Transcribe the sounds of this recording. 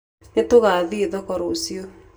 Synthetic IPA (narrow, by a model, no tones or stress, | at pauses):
etoɣaːðiðɔkɔɾosio